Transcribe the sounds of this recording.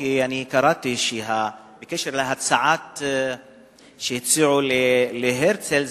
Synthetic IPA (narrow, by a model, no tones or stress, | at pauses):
ijaʕnikɑɾˤɑːt̪iʃiɦa | bɪkeʃɪɾlaɦasaʕaːt̪ | ʃit̪siːʕulɪlɪɦeɾt̪sɪlz